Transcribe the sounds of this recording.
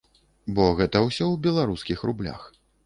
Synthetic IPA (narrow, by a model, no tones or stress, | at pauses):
bɔɣɛt̪ɐwsʲɔwbʲɛlˠaɾuskʲixrublʲa̰x